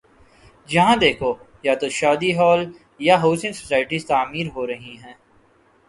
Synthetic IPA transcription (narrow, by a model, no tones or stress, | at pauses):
d͡ʒɐɦãd̪eːkʰo | jat̪oʃaːd̪iɦɔːl | jaɦoːsɪ̃ŋso̥saːɪʈist̪aːmiːɾɦoːɾɐɦiɦɛ̃ː